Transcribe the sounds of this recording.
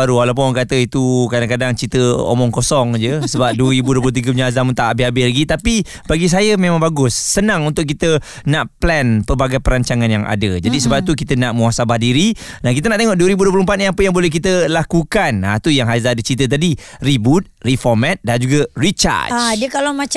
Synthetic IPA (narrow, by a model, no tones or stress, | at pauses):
aɾuwalawp̬ʊnɔŋkat̪əit̪ukadaŋkadaŋt͡ʃit̪əo̰mɔŋkosɔŋd͡ʒəsəbap̚duəɾibuduəp̬ulout̪iɡəbəɲaɦazamunt̪aʔabɪhabɪslaɡit̪api | baɡis̬ajəmẽmãŋbaɡʊsːənãŋunt̪ʊʔk̬ːit̪ə | naʔplɛnpərbaɡajpəɾaɲt͡ʃaŋanjaŋa̰dəd͡ʒadisəbap̚t̪ukit̪ənaʔmuasabahdiɾinahkit̪ənaʔt̪eŋɔʔduəɾibuduəplumpat̪̚niapəjaŋbolɛhkit̪əlakukanat̪ujaŋɦazadət͡ʃit̪̬ət̪̬adiribut̪̚rifɔmɛt̪̚dand͡ʒuɡarit͡ʃa̰diəkalamãt͡ʃ